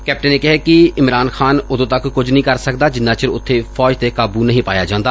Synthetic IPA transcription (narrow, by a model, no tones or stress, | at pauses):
kɛːp̚ʈənːeːkɪɦeːkɪɪmɾaːnxaːnʊd̪õːt̪əkːʊd͡ʒnəɦĩːkəɾsəkd̪aːd͡ʒɪnːãːt͡ʃəɾʊt̪ʰːeːpʰɔːd͡ʒt̪eːkaːbuːnəɦĩːpaːjaːd͡ʒãːnd̪aː